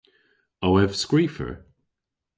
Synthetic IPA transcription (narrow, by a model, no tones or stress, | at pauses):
owɛv̥skɹiːfə̰ɹ